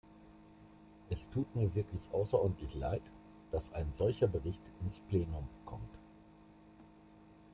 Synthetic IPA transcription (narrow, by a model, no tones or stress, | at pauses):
ʔɛstʰuːtmiːɐvɪɐklɪçʔaʊsɐʔɔːɐdn̩tlɪçla̰ɪt | d̥asʔaɪnzɔlçɐbəʁɪçtʔɪnspl̥eːnʊmkʰɔ̰mt